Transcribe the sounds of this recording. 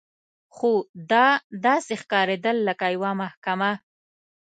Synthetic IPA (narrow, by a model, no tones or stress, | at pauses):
xod̪ɑd̪ɑsexkɑɾed̪əlːəkajwamahkama